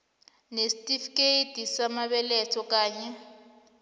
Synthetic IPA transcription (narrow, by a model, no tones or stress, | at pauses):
nesitʼifkʼeitisamaβɛlɛtʰɔkʼaːɲɛ